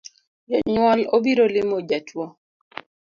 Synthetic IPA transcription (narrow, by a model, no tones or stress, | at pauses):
jɔɲwɔlobiɾolɪmod͡ʒatwɔ